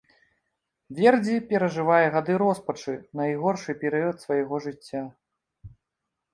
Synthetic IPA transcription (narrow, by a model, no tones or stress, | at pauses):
vʲɛrd͡zʲipʲɛɾɐʐɨvajɛɣad̪ɨɾɔspɐt͡ʂɨnɐiɣɔrʂɨpʲɛɾɨjɐt̪svɐjɛɣɔʐɨt͡sʲːa